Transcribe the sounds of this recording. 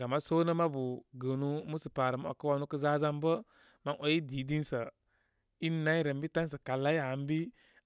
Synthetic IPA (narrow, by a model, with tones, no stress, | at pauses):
ɡa˨ma˦so˦nə˦ma˦bu˨ɡəː˨nu˦mu˦sɨ˨paː˨ɾə˨m˦a̰˨kɨ˦wa˧nu˦kə˦zaː˦za˦mbə˦ | ma˦nʔo˨ji˦di˨˦di˦n˦sə˨ | i˦nː˦a˦i˦ɾə˨mbi˦ta˦n˦s̬ə˨ka˨lːa˦ja˨m˦bi˦